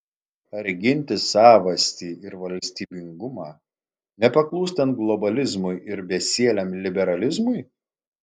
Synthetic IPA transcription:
ɐɾʲɡʲɪnʲt̪ʲɪsɑːʋɐsʲt̪ʲiːʔɪɾʋɐlʲsʲt̪ʲiːbʲɪŋɡʊmɑː | nʲɛpɐklˠuːsʲt̪ɐnt̪̚ɡlˠɔbɐlʲɪzmʊɪʔɪɾbʲɛsʲiɛlʲɛmlʲɪbʲɛɾɐlʲɪzmʊɪ

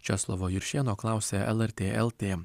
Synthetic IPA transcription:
t͡ʃʲɛslˠɔʋoːjɪɾʃʲeːnoːklˠɑˑʊsʲeːʔɛ̰lˠɛɾʲt̪ʲeːʔɛlˠt̪ʲeː

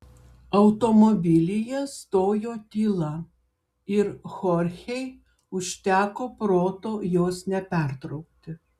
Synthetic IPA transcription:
ɐʊt̪omobʲɪlʲɪjɛst̪oːjoːt̪ʲiːlˠɐ | ɪɾxɔɾʲxʲɛɪ | ʊʃʲt̪ʲæːkoːpɾoːt̪oːjoːsnʲɛpʲæˑɾt̪ɾɒʊk̚t̪ʲɪ

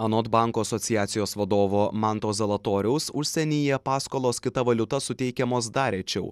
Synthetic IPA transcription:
ɐnot̪bɑˑŋkoːɐsɔt̪sʲɪjæːt̪sʲɪjoːsʋɐd̪oːʋoːmɑnt̪oːzʲɐlˠɐt̪oːɾʲɛʊsʊʃʲsʲɛnʲiːjɛpɑːskoːlˠoːskʲɪt̪ɐʋɐlʲʊt̪ɐsʊt̪ʲɛɪkʲɛmoːs̬d̪ɑːɾʲɛt͡ʃʲɛʊ

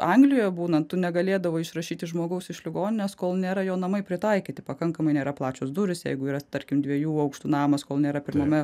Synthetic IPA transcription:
ɐŋɡlʲɪjoːjɛbuːnɐt̪ʊnʲɛɡɐlʲeːd̪ɐʋoːɪʃrɐʃʲiːt̪ʲɪʒmoːɡɐʊsɪʃlʲɪɡoːnʲɪnʲɛskoːlˠnʲeːɾɐjoːnɐmɐɪpʲɾʲɪt̪ɐɪkʲɪt̪ʲɪpɐkɐŋkɐmɐɪnʲeːɾɐplˠɑːt͡ʃʲosd̪ʊɾʲɪsjɛ̰ɪɡʊiːɾɐt̪ɐɾʲkʲɪmd̪ʲʋʲiɛjuːɐʊkʃt̪uːnɑːmɐskoːlˠnʲeːɾɐpʲɪɾmɐmʲɛ

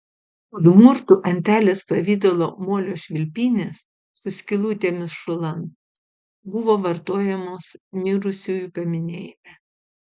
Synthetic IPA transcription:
ʊlʲʊmʊɾt̪ʊʔɐnʲt̪ʲæːlʲeːspɐʋʲiːd̪ʲolˠoːmuɔlʲoːʃʲʋʲɪlʲpʲiːnʲeːsː | ʊsʲkʲɪlˠuːt̪ʲeːmʲɪsʃʊlˠɐm | bʊʋoːʋɐɾt̪oːjɛmoːsnʲiɾʊsʲuːjʊkɐmʲɪnʲḛːjmʲɛ

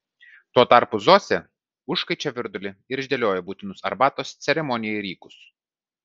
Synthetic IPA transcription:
t̪uɔt̪ɑˑɾpʊzoːsʲɛ | ʊʃkɐɪt͡ʃʲɛʋʲɪɾd̪ʊlʲɪɪɾɪʒʲd̪ʲelʲoːjɛbuːt̪ʲɪnʊsɐ̰ɾbɑːt̪oːst̪sʲɛɾʲɛmɔnʲɪjɛːɪɾʲiːkʊs

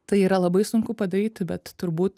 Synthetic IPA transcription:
t̪ɐɪiːɾɐlˠɐbɐɪsʊŋkʊpɐd̪ɐɾʲiːt̪ʲbʲɛt̪ːʊɾbuːt̪

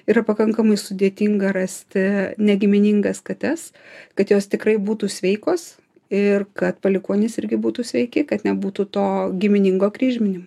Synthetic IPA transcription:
iːɾɐpɐkɐŋkɐmɐɪsʊd̪ʲeɛt̪ʲiŋɡɐɾɐsʲt̪ʲɪnʲɛɡʲɪmʲɪnʲɪŋɡɐskɐt̪ʲɛskɐt̪joːst̪ʲɪkrɐɪbuːt̪uːsʲʋʲɛɪkoːs | ɪrkɐt̪pɐlʲɪkuɔnʲɪnʲɪsɪɾʲɡʲɪbuːt̪uːsʲʋʲɛɪkʲɪkɐt̪nʲɛbuːt̪ut̪oːɡʲɪmʲɪnʲɪŋɡoːkɾʲiːʒʲmʲɪnʲɪm

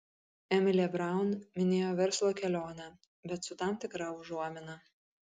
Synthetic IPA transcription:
ɛmʲɪlʲɛːbɾɑˑʊnmʲɪnʲeːjoːʋʲɛɾslˠoːkʲɛlʲoːnʲɛ | bʲɛt̪sʊt̪ɑˑmt̪ʲɪkɾɑʊʒuɔmʲɪnɐ

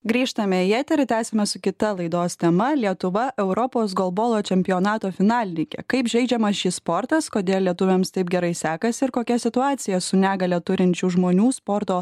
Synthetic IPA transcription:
ɡɾʲiːʃt̪ɐmʲɛjɛt̪ʲɛɾʲt̪ʲæːsʲɛmʲɛsʊkʲɪt̪ɐlˠɐɪd̪oːst̪ʲɛmɐlʲiɛt̪ʊʋɐʔɛʊɾɔpoːs̬ɡɔlˠboːlˠoːt͡ʃʲɛmʲpʲɪjoːnɑːt̪oːfʲɪnɑːlʲɪnʲiːkʲɛ̰kɐɪpʒʲɛɪd͡ʒʲɛmɐsʃʲiːspɔɾt̪ɐskoːd̪ʲeːlˠlʲiɛt̪ʊʋʲɛmst̪ɐɪpɡʲɛɾɐɪsʲæːkɐsʲɪɪɾkoːkʲɛsʲɪt̪ʊɑːt̪sʲɪjɛsʊnʲæːɡɐlʲɛt̪ʊɾʲɪnʲt͡ʃʲuːʒmoːnʲuːspɔɾt̪oː

